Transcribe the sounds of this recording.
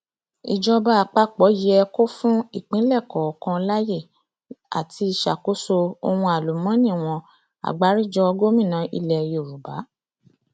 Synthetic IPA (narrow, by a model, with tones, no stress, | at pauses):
i˨d͡ʒɔ˧ba˧a˨k͡pa˧k͡pɔ˨˦ji˨˦ɛ˧ko˦fũ˦i˦˨k͡pĩ˨˦lɛ˦˨kɔ˨kã˧la˦je˦˨ | a̰˨tʰi˧˦i˧ʃa˨ko˨˦so˧o̰˧wũ˧a˨lu˨mɔ̃˨˦nĩ˦˨w̃ɔ̃˧ | a̰˨ɡ͡ba˨˦ɾi˦˨d͡ʒɔ˧˦ɔ˧ɡo˦mĩ˦˨nã˨˦ʔḭ˧lɛ˨jo˨ɾu˨ba˨˦